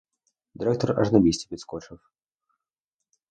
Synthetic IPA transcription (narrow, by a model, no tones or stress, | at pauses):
d̪ʲɪɾɛkt̪ərɐ̰ʐnɐbʲisʲtʲɪpʲɪt̪skot͡ʂəf